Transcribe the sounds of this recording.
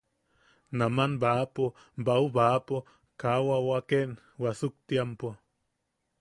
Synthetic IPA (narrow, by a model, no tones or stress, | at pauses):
namanbaːpo | bauβapo | kawawaken | wasuk̚t̪iampo